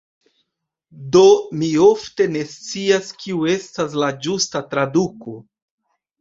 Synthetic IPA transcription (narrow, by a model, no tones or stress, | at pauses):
do̞mio̞fte̞ne̞st͡siaskiue̞stas̬lad͡ʒustatɾaduko̞